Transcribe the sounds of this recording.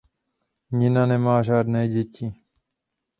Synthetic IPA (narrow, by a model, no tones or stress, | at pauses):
ɲɪnanɛmaːʒaːd̪nɛːɟɛci